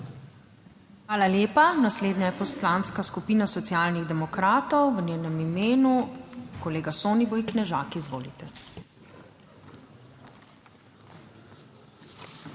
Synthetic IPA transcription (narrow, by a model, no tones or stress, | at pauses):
xʋaːlaljeːpanasleːd̪ɲajɛpɔslanskaskupiːnasɔt̪sijaːlniɣd̪ɛmɔkɾaːt̪ɔwʋənʲeːnɛmimeːnukɔleːɡasoːnibojknɛʒaːkizʋo̰ːlit̪ɛ